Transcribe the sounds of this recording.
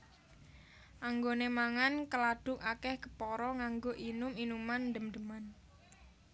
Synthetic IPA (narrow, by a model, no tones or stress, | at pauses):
ʔaŋɡonemaŋankəlaɖ̥ʊ̤kakɛhkə̥pɔɾɔŋaŋɡoʔinʊminumand̪əmd̪əman